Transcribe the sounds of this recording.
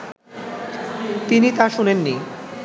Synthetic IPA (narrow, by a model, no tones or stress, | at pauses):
t̪init̪aʃunenːi